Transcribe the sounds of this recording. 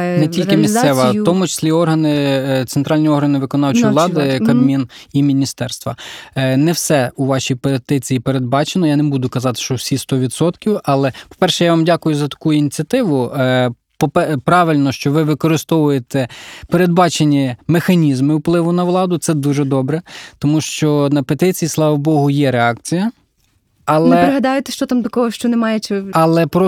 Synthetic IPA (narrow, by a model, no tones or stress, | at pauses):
nɛtʲilʲkɪmʲisɛʋɐt̪ɔmʊt͡ʃe̥sʲlʲiɔrɦɐnɪt̪sent̪ɾɑlʲnʲiɔɾɐnɪʋɪkɔnɑwt͡ʃɔjlˠɑd̪ɪkɐd̪mʲinimʲinʲist̪ɛrst̪ʋɐnɛwsɛuʋɑʃʲijpet̪ɪt͡sʲijipeɾed̪̚bɑt͡ʃenɔjanebud̪ʊkɐzɑt̪ɪ̥ʃt͡ʃɔwsʲist̪ɔʋʲid̪sɔt̪kʲiwɑlˠɛpɔ̥pɛrʃɛjaʋɑmdʲakʊjʊzɐt̪ɐ̥kujʊinʲit͡sʲiɐt̪ɪʋʊ | pɔpɛpɾɑʋɪlʲnɔʃt͡ʃɔʋɪʋɪkɔɾɪst̪ɔʋʊjet̪ɛpeɾed̪̚bɑt͡ʃenʲːɐmexɐnʲizmɪwplˠɪʋʊnɐʋlˠɑd̪ʊt̪sɛd̪uʒɛd̪ɔbɾɛt̪ɔmuʃt͡ʃɔnɐpet̪ɪt͡sʲijislˠɑʋɔbɔɦʊjɛɾeɑk̚t͡sʲijɐ | ɐlˠɛpɾɪɦɐd̪ɑjɪt̪ɛʃt͡ʃɔt̪amd̪ɐkɔɦɔʃt͡ʃɔnemɑjɛt͡ʃɐlˠɛpɾɔ